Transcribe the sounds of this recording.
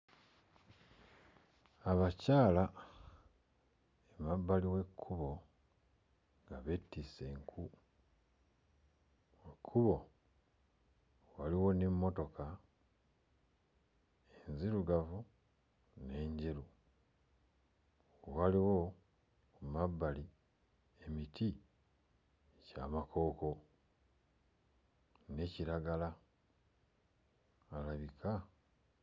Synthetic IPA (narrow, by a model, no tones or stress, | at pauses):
aβacaːla | emabːaliwe̞kʰːuβo̞ | ŋɡaβetːise̞ŋkʰu | wekʰːuβo̞ | waliwo̞nemːo̞to̞ka | enziɾuɡavu | ne̞ːɲɟeɾu | waliwo | kumabːali | emiti | ecaːmako̞ːko̞ | ne̞ciɾaɡala | laβikʰa